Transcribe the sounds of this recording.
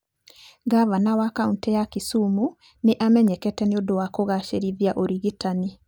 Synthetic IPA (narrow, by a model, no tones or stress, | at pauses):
ɡavanawakauntɛjakisumu | neʔamɛɲɛkɛtɛneodowakoɣaʃeɾiðjaʔoɾiɣitani